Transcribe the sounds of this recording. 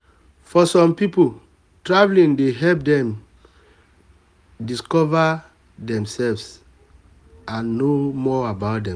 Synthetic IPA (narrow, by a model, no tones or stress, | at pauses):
fɔsɔ̃mpipo | tɹavlĩndeɦɛlp̚dɛ̃m | diskɔva | dɛ̃msɛlvs | ãnːomɔabaʊt̚dɛ̃m